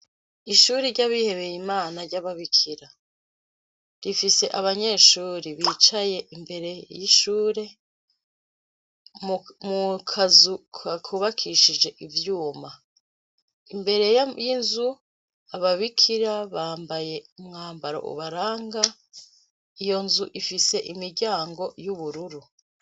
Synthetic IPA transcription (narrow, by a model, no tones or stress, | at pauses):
iʃuːɾiɾɟaβihe̞βe̞jimaːnaɾɟaβaβikʰiɾa | ɾifise̞ʔaβaɲe̞ːʃuːɾiβiːt͡ʃaje̞ʔimbe̞ɾe̞jiʃuːɾe̞ | mukʰazukʰakʰuβakʰiʃid͡ʒe̞ʔivjuːma | imbe̞ɾe̞jajinzu | aβaβikʰiɾaβaːmbaje̞umŋaːmbaɾo̰ʔṵβaɾaːŋɡa | ijo̞nzuʔifise̞ʔimiɾɟaːŋɡo̞juβuɾuɾu